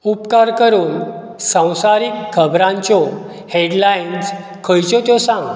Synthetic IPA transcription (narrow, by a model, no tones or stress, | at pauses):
upkaɾkəɾuːn | sə̃w̃saɾiːkkʰəbɾãɲt͡ɕɔ | heɽlains | kʰəjt͡ɕɔt̪jɔsãŋɡ